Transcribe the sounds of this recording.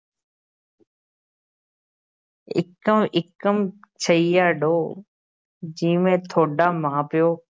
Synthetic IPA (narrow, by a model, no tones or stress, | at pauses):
ɪ̰kəmɪkəmt͡ʃʰəiːjaːɖoː | d͡ʑĩːmẽːt̪ʰoːɖaːmãːpɪjoː